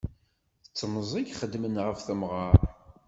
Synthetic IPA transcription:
θət͡sːməzˤiɡχəd̪ːmənʁəfθəmʁɑɾˤ

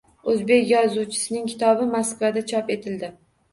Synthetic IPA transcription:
ɵzbe̞kʲjɒzuwt͡ʃʰɪ̥sɪnɪŋkʲʰɪ̥t̪ʰɒbɪmaskvad̪at͡ʃʰɒpe̞t̪ʰɪld̪ɪ

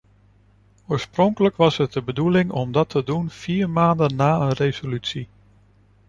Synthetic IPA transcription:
oːɹsprɔŋkələkʋɑsɦət̚dəbədulɪŋɔmdɑtʰədunfiːɹmaːndənːaːənrezolytsi

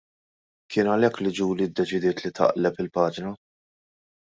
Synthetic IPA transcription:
kɪːnɐlɛkːlid͡ʒuːlid̪ːɛt͡ʃɪd̪ɪːt̪lit̪ʰɐ̰ʔlɛpɪlpɐːd͡ʒnɐ

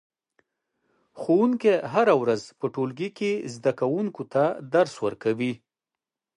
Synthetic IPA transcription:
xowuŋkeɦaɾawɾazpəʈolɡikezd̪akawuŋkot̪ad̪aɾswəɾkawi

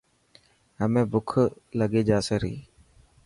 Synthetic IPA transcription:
ɦəmẽːbʊkʰləɡeːd͡ʒaːseːɾḭː

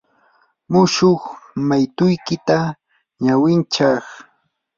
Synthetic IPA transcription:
mʊʃoχmajt̪ʊjkɪt̪a | ɲawɪnt͡ʃɑχ

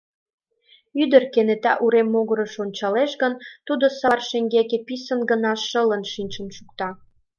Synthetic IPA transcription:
yd̪ərkenet̪æ̰ʔuɾemːoɣəɾəʃonʲt͡ɕɑleʃɡənt̪ud̪osɑrʃeŋɡekepisənɡə̆nɑʃələnʃinʲʃə̆mʃukt̪ɑ

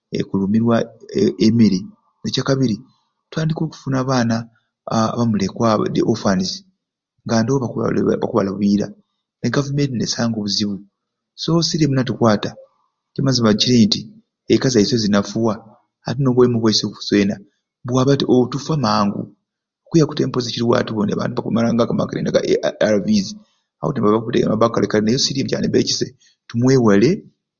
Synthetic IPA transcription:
ḛkulumiɾwaemiɾi | necakaβiɾi | twaːndiko̞ːku̥funaːβaːna̰ː | βamulekwadḛʔofanizi̥ | ŋɡandoβaβa̰kuβa̰laβiːɾa̰ | neɡavumentinesaːŋɡoβuziβu | so̞siɾemunatukwaːta | t͡ʃimaziβaciɾiːnti | ekazaisezinafuwa | atinoβwemuβwaisokuu̥swe̞ːna | βwaːβatiʔotufamaːŋɡṵ | okwujaku̥te̞ːmpoziciɾiwa̰tuβonea̰βa̰ːntuβakumalaːŋɡakama̰kiɾenaɡaaɾavizi | a̰wo̰tinβaβakuteɡa̰maβakalekalinejosiɾimuca̰neβeci̥se | tumweːwale̞

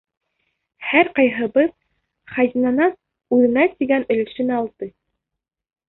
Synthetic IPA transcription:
hæɾqɑjɦɤ̆bɤð | χɑzʲinɑnɑn | ʉðɘ̆nɑt̪iɡænɘ̆lɘ̆ʃɘ̆næːlˠt̪ɤ

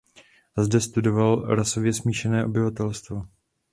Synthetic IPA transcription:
zdɛst̪udo̞valɾaso̞vjɛsmiːʃɛnɛːʔo̞bɪvat̪ɛlst̪vo

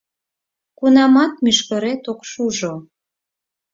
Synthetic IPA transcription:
kunɑmɑt̪̚myʃkə̆ɾet̪okʃuʒo

